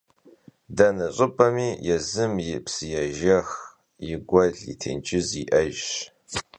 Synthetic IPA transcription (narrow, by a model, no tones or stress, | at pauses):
dɐnɐɕʼɨpʼɐmiːjɛzɨmjɪpsɨjɛʒɐx | jɪɡʷɐɮḭtʰḛːnt͡ʃʼɪziʔɐʒɕ